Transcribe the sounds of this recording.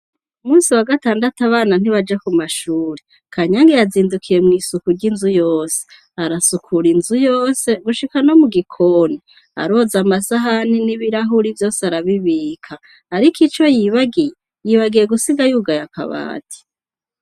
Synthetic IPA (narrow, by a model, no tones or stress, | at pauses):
umuːnsiwaɡataːndatuaβaːnan̥iβad͡ʒekumaʃuːɾe | kʰaɲaŋɡejaziːndukʰiɾe̞mŋiːsukuɾɟinzujoːse̥ | aɾasukʰuɾinzujo̞ːse̞ɡuʃikano̞muɡikʰoni | a̰ɾo̞zamasaɦaniniβiɾaɦuɾivjo̞ːseaɾaβiβiːkʰaː | ɾikit͡ʃo̞jiβaɡije | jiβaɡije̞ɡusiɡajuɡajaka̰βa̰ːtʰi̥